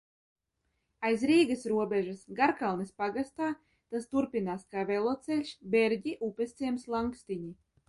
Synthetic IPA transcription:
ajzɾiːɡasɾuɔbʲɛʒɨsɡaɾkalˠnɨspaɡast̪aː | t̪ast̪uɾpʲinaːskaːvɛlˠɔt̪sɛlʲʃbɛɾɟʲiʔupʲɛst̪siɛmslˠaŋkst̪iɲi

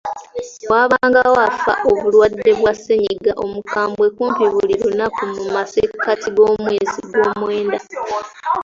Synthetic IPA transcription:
waːβaːŋɡawafa̰ʔoβulwadːe̞βwaseɲiɡaʔo̞mukaːmbwe̞kuːmpiβuliɾunakumumasekʰːatiɡo̞ːmwe̞ːzḭɡo̞ːmwe̞ːnda

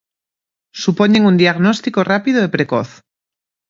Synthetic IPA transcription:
supoɲeŋund̪iaɣnost̪ikorapiðoepɾeko̰θ

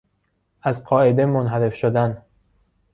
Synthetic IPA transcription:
ʔæzqɒːed̪emonɦæɾe̞fʃod̪æn

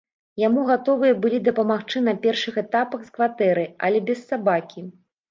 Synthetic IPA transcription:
jamuɣat̪ɔvɨjɐbɨlʲid̪ɐpɐmaxt͡ʂɨnɐpʲɛrʂɨxɛt̪apɐxskvat̪ɛɾɨɐ̰lʲɛbʲɛssːabakʲi

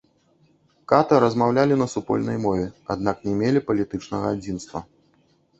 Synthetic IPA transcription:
kat̪ɐɾɐzmawlʲalʲinɐsupɔ̰lʲnɐjmɔvʲɛa̰d̪naknʲɛmʲelʲipɐlʲit̪ɨt͡ʂnɐɣɐad͡zʲinst̪vɐ̰

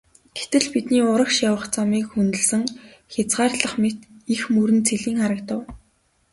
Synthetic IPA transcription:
ɡ̥et̪ɘ̆ɮpit̪niːʊɾə̆kʃawə̆χt͡samiːkxunt̪ɘ̆ɮsɘ̆ŋxʲat͡sɢaːrɮə̆χmet̪ixmuɾɘ̆nt͡sʰeɮiːŋχaɾə̆kt̪ə̆w

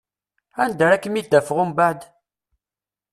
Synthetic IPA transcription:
ænd̪əɾækːəmid̪æfʁʊmbaʕd̪

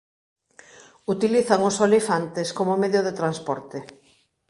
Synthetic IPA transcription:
ut̪iliθaŋʊsolifant̪eskomomɛðjoðet̪ɾanspɔɾt̪ɪ

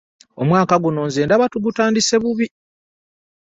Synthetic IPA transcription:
omwaːkaɡuno̞ːnzeːndaβatuɡutaːndise̞βuβi

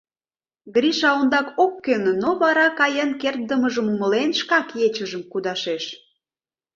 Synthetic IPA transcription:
ɡɾʲiʃɑond̪ɑkokːennoβɑɾɑkɑjənkert̪̚d̪əməʒəmuməlenʃkɑkjet͡ɕəʒəmkud̪ɑʃeʃ

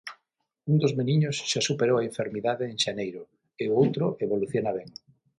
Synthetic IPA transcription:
und̪ozmeniɲosʃasupeɾowaẽɱfeɾmiðaðeːŋʃanejɾo | eoowt̪ɾoʔeβoluθjonaβ̞eŋ

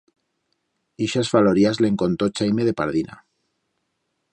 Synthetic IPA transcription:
iʃasfaloɾiazleŋkont̪ot͡ʃajmeð̞e̞paɾðina̰

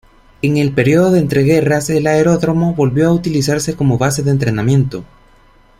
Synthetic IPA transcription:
e̞ŋe̞lpe̞ɾjio̞ðoðeːnt̪ɾeɣe̞rase̞laeɾo̞ðɾo̞mo̞βolβjo̞aut̪ilisaɾse̞ko̞mo̞βas̬e̞ðeːnt̪ɾe̞namjẽ̞nt̪o̞

